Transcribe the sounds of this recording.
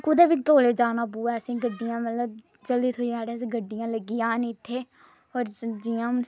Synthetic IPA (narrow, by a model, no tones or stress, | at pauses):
kʊd̪eːʋɪt͡ʃt̪oːleːd͡ʒaːnaːpuːɛːsĩːɡəɖːijãːmət̪ləb | d͡ʒəld̪iːt̪ʰoːiːaːɽeːs̬ĩːɡəɖːɪjãːləɡːiːjãːniːt̪ʰːeː | ɔːɾd͡ʒiːãː